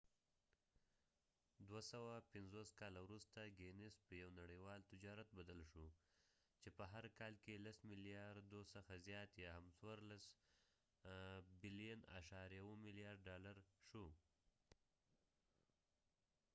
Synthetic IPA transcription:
d̪wasawapɪnzoskɑlawɾust̪aɡenɪspəjawnaɽəjwɑlt̪ɪd͡ʒɑɾat̪̚bad̪əlʃo | t͡ʃepəɦaɾkɑlkelasmɪlijɑɾd̪osəxazjɑt̪jɑhamswaɾlas | bɪlijana̰ʃɑɾjawomɪlijɑɾɖɖɑlaɾʃo

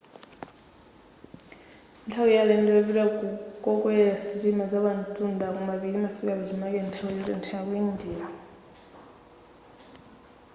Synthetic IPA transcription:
ntʰawijalɛndɛaβitakʼɔkʼwɛɛɺasitimazaβantʼundakumaβilimafikʼaβɛzimakɛntʰawujɔtɛ̰ntʰajakujindiːɾa

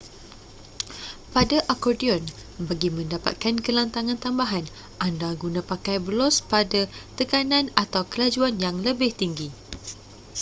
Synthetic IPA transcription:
padaʔakɔrdiɔn | baɡimə̃ndapa̰t̪̚kankəlant̪aŋãnt̪ambaɦan | ʔandaɡunãpakajbəlɔspadat̪əkanãnat̪awkəlad͡ʒuanjaŋləbɪht̪iŋɡi

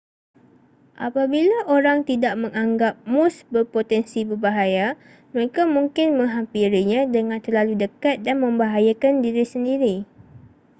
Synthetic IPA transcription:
ʔa̰pabilaʔoɾaŋt̪idaʔmə̃ŋaŋɡap̚mʊsbərpot̪ɛnsibərbaɦaja | məɾekamũŋkɪnmə̃ŋɦampiɾiɲãdəŋãnt̪ərlaludəkat̪̚danmə̃mbaɦajakandiɾisəndiɾi

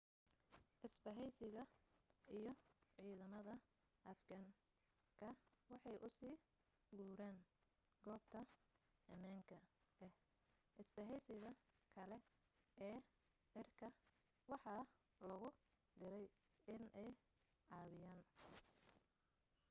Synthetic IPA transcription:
ʔɪsbɐɦɛjsɪɣɐijɞʕiːðɐmɐðɐ | ʔɐfɡɐŋ | kʰɐwɑħɑjʔʊsiː | ɡuːɾɛːn | ɡɔːb̚t̪ʰɐɐmaːŋkʰɐɛh | ʔɪsbɐɦɛjsɪɣɐkʰɐlɛ | ʔɛː | ʕɪrkʰɐ | wɑħɑ | lɐɣʊ | d̪ɪɾɛj | ɪnʔɛj | ʕɑːβɪjaːn

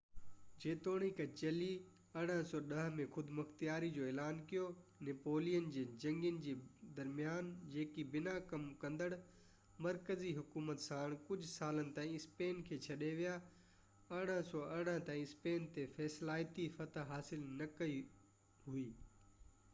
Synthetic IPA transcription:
d͡ʑeːt̪oːɽ̃ikɐt͡ɕɐli | ɐɽ̃əsɔːɗɐɦmẽxʊd̪mɐxt̪ijaːɾid͡ʑoːeːlaːnkijonɪpoːlijənd͡ʑeːd͡ʑɐ̃ŋɡijənɪ̆d͡ʑeːd̪ɐɾmijaːnd͡ʑeːkibɪnakɐmkɐ̃nd̪əɽ | mɐɾkəziɦʊkuːmət̪saːɽ̃kʊd͡ʑʱsaːlənɪ̆t̪ãːĩɪspeːnkʰeːt͡ɕʰɐɗeʋija | ɐɽ̃əsɔːɐɽ̃əɦt̪aːĩɪspeːnt̪efɛːslaːɪjt̪ifɐt̪ʰɦaːsɪlnɐkɐi | ɦuiː

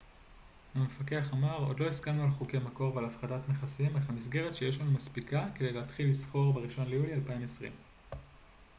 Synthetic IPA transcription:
amefake̞aχamaʁo̞̰dlo̞iskamnualχuke̞jmako̞ʁvealafχadatmeχasiimeχamisɡeʁe̞tʃeje̞ʃlanumaspikake̞d̪ejlehatχilːisχo̞ʁbeʁiʃo̞nlejulialpaimesʁḭm

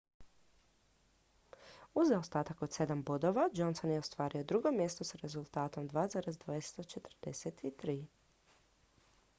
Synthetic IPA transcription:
uzaost̪aːt̪ako̞t̪se̞d̪ambod̪o̞ʋad͡ʒo̞nsonjeost̪ʋaːɾio̞d̪ɾuɡo̞mje̞st̪o̞saɾe̞zulˠt̪aːt̪o̞md̪ʋaːzaːɾezd̪vajese̥t̪ot͡ʃe̞t̪r̩d̪eset̪it̪ɾiː

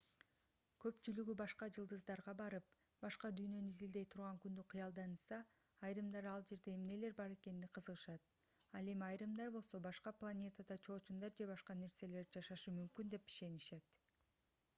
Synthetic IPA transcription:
kʰø̞pt͡ʃylyɡybɑʃqɑd͡ʒɯlˠd̪ɯzd̪ɑɾʁɑbɑɾɯp̚ | bɑʃqɑd̪yjnø̞nizild̪e̞jt̪ʰuɾʁɑŋkynd̪yqʰɯjɑlˠd̪ɑnɯsɑː | jɾɯmd̪ɑɾɑlˠd͡ʒe̞ɾd̪e̞ːmne̞le̞ɾbɑɾe̞ke̞nːiqʰɯzɯʁɯʃɑt̪̚ | ɑlˠe̞miɑjɾɯmd̪ɑɾbo̞lˠso̞bɑʃqɑplˠanʲe̞t̪ad̪ɑt͡ʃʰo̞ːt͡ʃund̪ɑɾd͡ʒe̞bɑʃqɑne̞ɾse̞le̞ɾd͡ʒɑʃɑʃɯmymkynd̪e̞pi̥ʃe̞niʃe̞t̪

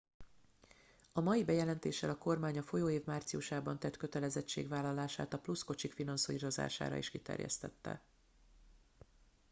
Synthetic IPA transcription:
ɒmɒjibɛjɛlɛnt̪ḛːʃːɛlɒko̞rmaːɲɒfo̞joːeːvmaːrt̪sijuʃaːbɒnt̪ɛt̪kø̞t̪ɛlɛzɛt͡ʃːḛːɡʋaːlːɒlaːʃa̰ːt̪ɒplusko̞t͡ʃikfinɒnsoiɾo̞za̰ːʃa̰ːɾɒ̰iʃkit̪ɛ̰rjɛ̰st̪ɛt̪ːɛ̰

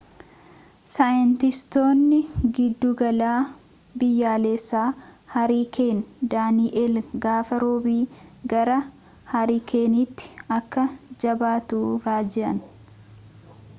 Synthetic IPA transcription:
saːjɪnt̪ɪst̪o̞ːnːɪɡɪd̪ːuɡɐlaː | bɪjːaːleːsːaːhɐɾiːkʰe̞ːnd̪aːniʔɛlɡaːfɐɾoːbiːɡɐɾɐ | hɐɾiːkʰeːnit̪ːɪ̥ɐkːɐd͡ʒɐbaːt̪uːɾaːd͡ʒɛʔɐn

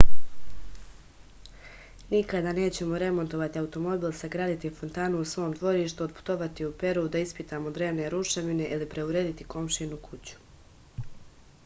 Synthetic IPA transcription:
nikad̪aːne̞ːt͡ɕe̞mo̞ɾe̞mo̞nt̪o̞ʋat̪iaut̪o̞mo̞biːlˠsaɡɾaːd̪it̪ifo̞nt̪aːnuusʋo̞ːmd̪ʋo̞ɾiːʃt̪uod̪̚pu̥t̪o̞ʋat̪iupe̞ɾud̪aispit̪aːmo̞d̪ɾe̞ːʋne̞ɾuʃeʋine̞ʔilipɾe̞uɾeːd̪it̪i̥ko̞mʃinukʰut͡ɕu̥

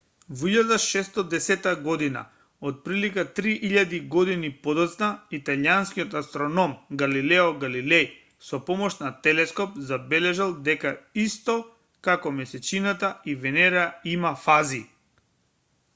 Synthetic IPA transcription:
viʎad̪aʃɛst̪ɔd̪ɛsɛt̪aɡɔd̪ina̰ | ot̪̚pɾilikat̪ɾiʔiʎad̪iɡɔd̪inipɔd̪ɔt̪snait̪alianskiɔt̪ast̪ɾɔnɔmɡalilɛɔɡalilɛj | sɔpɔmɔʃnat̪ɛlɛskɔpzabɛlɛʒalˠd̪ɛkaist̪ɔ | kakɔmɛsɛt͡ʃinat̪aivɛnɛɾaimafazi

